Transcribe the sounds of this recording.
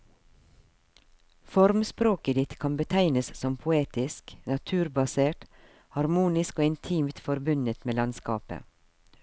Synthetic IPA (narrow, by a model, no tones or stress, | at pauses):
fɔɾmspɾoːkəd̪ɪt̪kʰɑnbət̪ʰæɪnəssɔmpʰʊeːt̪ɪsknɑt̪ʰʉːɾbɑseːʈ | hɑɾmuːnɪskoːɪnt̪ʰiːmt̪fɔɾbʉnət̪meːlɑnskɑ̰ːpə̰